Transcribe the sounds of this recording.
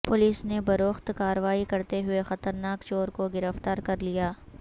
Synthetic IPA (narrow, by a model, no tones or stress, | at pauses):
pʊliːsnebɐɾoːxt̪kaːɾəʋaːikɐɾt̪eɦʊexɐt̪əɾnaːkt͡ʃoːɾkoɡɪɾəft̪aːɾkɐɾlijaː